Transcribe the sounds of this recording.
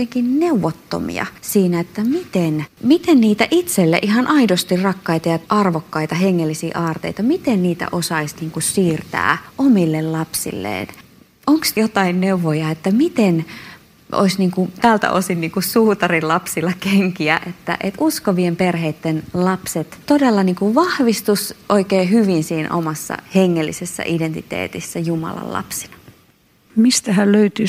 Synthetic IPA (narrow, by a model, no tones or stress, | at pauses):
eŋkinneuʋot̪ːo̰mḭɑ̰siːnæet̪ːæmit̪enmit̪enniːt̪æʔit̪selːḛʔihɑnʔɑidost̪irrɑkːɑit̪ɑjɑʔɑrʋokːɑit̪ɑɦeŋːelːisiːʔɑːrt̪ḛit̪ɑmit̪enniːt̪æ̰ʔosɑisniːŋkusiːrt̪æ̰ːʔomilːellɑpsḭlːḛːn | oŋksjot̪ɑinneuʋːojɑet̪ːæmit̪en | o̰isniːŋkut̪æːlt̪æ̰ʔo̰sinniːŋkusuːt̪ɑrilɑpsilːɑkeŋkiæʔet̪ːæ̰ʔet̪ʔuskoʋiemperheit̪ːenlɑpset̪t̪odelːɑniːŋkuʋʋɑhʋist̪usʔoikeːhyʋinsiːnʔo̰mɑsːɑ̰heŋːelːḭsesːæ̰ʔident̪it̪ḛːt̪isːæjumɑ̰lɑ̰llɑ̰psi̥nɑ | mist̪æhælløyt̪y